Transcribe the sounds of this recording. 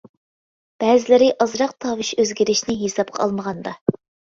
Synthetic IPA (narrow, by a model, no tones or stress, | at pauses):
b̥ɛːzɪlɪɾɪʔɑzɾɑq̚t̪ʰɑwɨʃøzɡʲiɾɪʃnɪɦesɑp̚qʰɑɑ̰lˠməʁɑnd̪ɑ